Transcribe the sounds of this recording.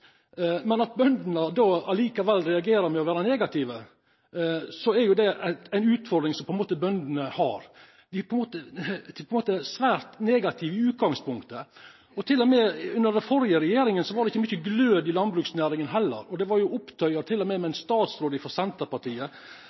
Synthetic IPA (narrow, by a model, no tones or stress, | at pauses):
mɛnɑt̪̚bœnd̪ənəd̪oɑliːkɑʋɛlːɾɛɑɡeːɾəɾmɛɔʋæːɾəneːɡɑt̪ʰɪʋə | sɔæɾjʊd̪ɛææɪnʉːt̪fɔɾɖd̪ɾɪŋsɔmpɔɛnmoːt̪əbœnd̪ənəhɑ̰ɾ | d̪ɪpʰɔɛnmoːt̪əpɔɛnmoːt̪əsʋæːɾt̪neːɡɑt̪ʰɪʋəʉːt̪̚ɡɑŋspʊŋkt̪ə | ɔt̪ʰɪlːɔmɛʉnːəɖɛfɔɾjəɾɛjeːɾɪŋənsɔʋɑɾɖɛɪçːəmʏçːəɡløːd̪ɪlɑnbɾʉːksnæːɾɪŋənɦɛlːə̰ɾɔd̪ɛʋɑɾjʊʊpt̪ʰœʏɑɾt̪ʰɪlːɔmɛmɛæɪnst̪ɑːt̪sɾoːd̪ɪfɔɾsɛnt̪əɾpɑʈiːə